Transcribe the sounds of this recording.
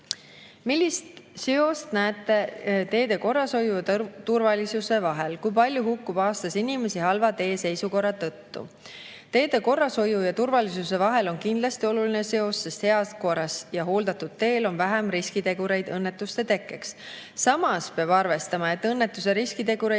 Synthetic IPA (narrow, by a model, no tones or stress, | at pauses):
milʲːist̪seo̞st̪næːt̪ːˑe̞t̪e̞ːd̪e̞ko̞rːɑso̞juj̪t̪urvɑlisuse̞vɑɦe̞lkujpɑlʲjuɦukːub̥ɑːst̪ɑsinime̞siɦɑlvɑt̪e̞ːse̞jsuko̞rːɑt̪ɤt̪ːṵ | t̪e̞ːd̪e̞ko̞rːɑso̞jujɑt̪urvɑlis̬use̞vɑɦe̞lo̞nkind̪lɑst̪io̞luline̞se̞o̞sːe̞st̪heɑko̞ɾɑsjɑɦo̞ːld̪̥ɑt̪ːud̪̥̚t̪e̞ːlo̞nvæɦɛmɾiskit̪e̞ɡuɾe̞jd̪̥ɤnːet̪ːˑust̪et̪e̞kːˑeks | sɑmɑspeɑb̥ɑrve̞st̪ɑmɑe̞t̪ːˑɤnːet̪ːˑus̬e̞ɾiskit̪e̞ɡ̥uɾe